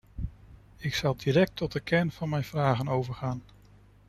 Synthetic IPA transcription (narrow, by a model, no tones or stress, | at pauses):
ɪksɑlˠdiɾɛk̚tʰɔt̚əkʰɛɹnv̥ɑnmɛjnv̥raːχənowvəɹχaːn